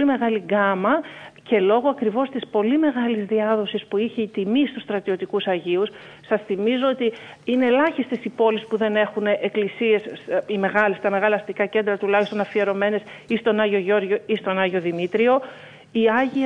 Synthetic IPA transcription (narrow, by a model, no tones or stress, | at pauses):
lime̞ɣɐliɡɐmɐce̞lo̞ɣoɐkɾivo̞st̪ispo̞lime̞ɣɐlizðiɐðo̞sispuiçeit̪imist̪ust̪ɾɐt̪io̞t̪ikusɐʝius | sɐsθimizo̞ot̪iine̞lɐçist̪e̞sipo̞lispuðe̞ne̞xuneʔeklisie̞sime̞ɣɐlest̪ɐme̞ɣɐlɐːst̪ikɐce̞nd̪ɾɐt̪ulɐçist̪o̞nɐfie̞ɾo̞me̞ne̞sist̪o̞nɐʝo̞ʝo̞ɾʝoist̪o̞nɐʝo̞ðimit̪ɾio̞ | iɐʝi